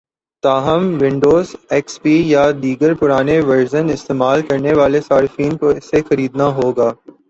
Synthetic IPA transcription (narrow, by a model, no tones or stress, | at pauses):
t̪aːɦəmʋɪ̃ɳɖoːzɛːkspiːjad̪iːɡəɾpʊɾaːneʋɐɾzənɪst̪eːmaːlkɐɾneʋaːlesaːɾɪfiːnkoɪsexɐɾiːd̪naɦoːɡaː